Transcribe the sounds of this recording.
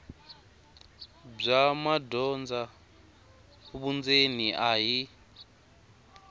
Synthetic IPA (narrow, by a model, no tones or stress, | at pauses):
b͡ʐamadɔnd͡za | huɓund͡zeniʔaɦi